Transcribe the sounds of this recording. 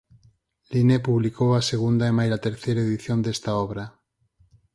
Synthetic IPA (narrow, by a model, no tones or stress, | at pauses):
linepuβlikowaseɣ̞und̪aemajlat̪eɾθejɾaeðiθjond̪est̪aɔβ̞ɾa